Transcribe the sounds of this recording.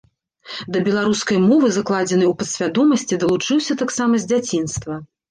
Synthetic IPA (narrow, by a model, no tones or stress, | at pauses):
d̪ɐbʲɛlˠaɾuskɐjmɔvɨzaklˠad͡zʲɛnɨwpɐt̪sʲvʲad̪ɔmɐsʲt͡sʲid̪ɐlˠut͡ʂɨwsʲɐt̪aksamɐzʲd͡zʲat͡sʲinst̪vɐ